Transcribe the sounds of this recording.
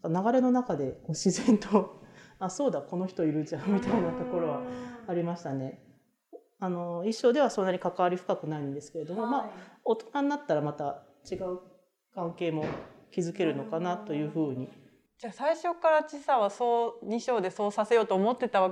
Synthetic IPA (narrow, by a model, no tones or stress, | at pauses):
nakanaɡaɾe̞no̞nakad̪e̞koɕizẽ̞nt̪oaso̞ːd̪ako̞no̞çi̥t̪o̞iɾɯ̟d͡ʑãmʲit̪ainat̪o̞ko̞ɾo̞βaaɾʲimaɕi̥t̪ane̞ | ano̞iɕːo̞ːd̪e̞β̞aso̞nːaɲ̟ikakaβaɾʲiɸɯ̟̥kakɯ̟naĩnd̪e̞sɨ̥ke̞ɾe̞d̪o̞mo̞maot̪o̥naɲinat̪ːaɾamat̪a | t͡ɕiɡaɯ̟ | kãŋke̞ːmo̞kʲizɨke̞ɾɯ̟no̞kanat̪o̞jɯ̟ːɸɯ̟ːɲ̟i | d͡ʑaːsaiɕo̞kːaɾat͡ɕisaβasoːɲiɕo̞ːd̪e̞so̞ːsase̞jo̞ːt̪oːmo̞t̪ːe̞t̪aβa